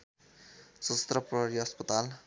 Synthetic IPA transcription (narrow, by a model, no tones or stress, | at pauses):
sʌt̪rʌprʌɦɾiɦʌspʌt̪al